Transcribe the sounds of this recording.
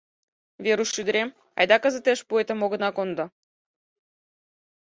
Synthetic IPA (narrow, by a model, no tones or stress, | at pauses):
veɾuʃːyd̪ə̆ɾem | ɑ̰jd̪ɑkə̆zə̆t̪eʃpuet̪ə̆moɣə̆nɑkond̪ɤ̆